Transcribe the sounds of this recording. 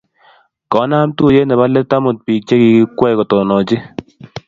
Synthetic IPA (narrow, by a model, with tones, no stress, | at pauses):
kɔ˨˦na˦mtu˦˨je˦nɛ˨ba˦lɛ˦ta˦mo˨t̚piː˨k̚t͡ʃe˦ki˨ki˦kwɛ˦˨kɔ˨tɔ˨nɔ˨t͡ʃɪ˦